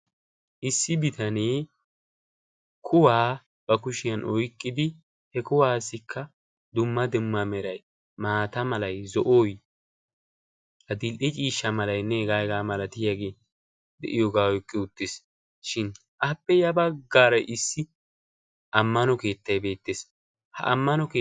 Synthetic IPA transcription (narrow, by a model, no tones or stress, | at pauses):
ʔɪsːɪbɪt̪ɐneː | kʰʊwaː | b̥ɐkʊʃɪjɐnʔɔjkʼːɪd̪ɪ | hɛkʊwaːsɪkʰːɐ | d̪ʊmːɐd̪ɪmːɐmɛɾɐj | maːt̪ɐmɐlɐjzɔʔoːj | hɐd̪ɪlʔɪt͡ʃʼiːʃːɐmɐlɐjnːɛɡaːɡaːmɐlɐt̪ɪjaɡeː | d̪ɛ̰ʔɪjoɡaːɔjkʼːɪʊt̪ːɪs | ʃɪn | ʔɐpːɛjɐbɐɡːaːɾɐjʔɪsːɪ | ʔɐmːɐnɔke̞ːt̪ːɐjbe̞ːt̪ːes | hɐ̰ʔɐ̰mːɐnɔkː